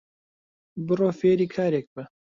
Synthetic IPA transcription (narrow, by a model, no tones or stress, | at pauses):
bɨroːfeːɾiːkʰaːɾeːk̚bɨ